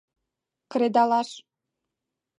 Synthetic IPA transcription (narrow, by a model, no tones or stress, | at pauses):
kɾed̪ɑlɑʃ